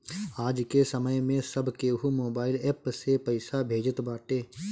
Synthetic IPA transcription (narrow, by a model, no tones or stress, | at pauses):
aːd͡ʒkesəməjmẽsɐbʱkeɦumoːbaːɪlɛːpsepɐɪsabʱeːd͡ʒət̪baːʈeː